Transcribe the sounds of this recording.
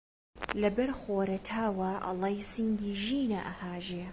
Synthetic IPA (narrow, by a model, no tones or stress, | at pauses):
lɐbɐɾxoːɾɐt̪ʰaːwɐʔɐ̰lˠɑjsiŋɡiːʒiːnɐʔɐhaːʒeː